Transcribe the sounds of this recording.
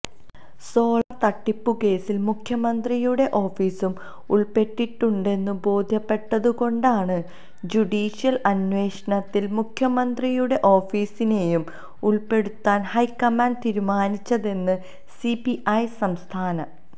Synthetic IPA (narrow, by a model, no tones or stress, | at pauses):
so̞ːɭɐrt̪ɐʈːipːuke̞ːsilmukʰjɐmɐnd̪rijuɽe̞ʔo̞ːfiːsum | uɭpe̞ʈːiʈːuɳɖe̞nːubo̞ːd̪ʱjɐpːe̞ʈːɐðuko̞ɳɖaːɳɨ | d͡ʑuɽiːɕijɐlɐnwe̞ːʂɐɳɐt̪ːilmukʰjɐmɐnd̪rijuɽe̞ʔo̞ːfiːsine̞jum | uɭpe̞ɽut̪ːaːnhɐjkːɐmaːɳɖt̪iːɾumaːnit͡ɕːɐðe̞nːɨ | sipiʔɐjsɐmst̪ʰaːnɐ